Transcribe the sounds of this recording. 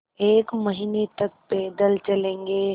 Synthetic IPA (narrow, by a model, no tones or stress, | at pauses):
eːkmɐɦiːnet̪ɐk̚pɛːd̪əlt͡ʃɐlẽːŋɡeː